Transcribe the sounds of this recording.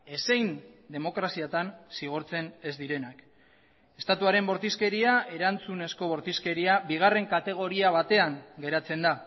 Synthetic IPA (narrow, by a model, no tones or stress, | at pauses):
e̞sejnd̪e̞mo̞kɾasiat̪ansiɣ̞oɾt͡se̞ne̞zd̪iɾe̞nak | e̞st̪at̪uaɾe̞mbo̞ɾt̪iske̞ɾiaʔe̞ɾant͡sune̞sko̞βo̞ɾt̪iske̞ɾiabiɣ̞are̞ŋkat̪e̞ɣ̞o̞ɾiaβ̞at̪e̞aŋɡe̞ɾat͡se̞nd̪a